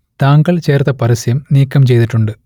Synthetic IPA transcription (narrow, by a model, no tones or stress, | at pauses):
t̪aːŋɡɐɭt͡ɕeːrt̪ɐpɐɾɐsjɐmniːkːɐmt͡ɕe̞jt̪iʈːuɳɖɨ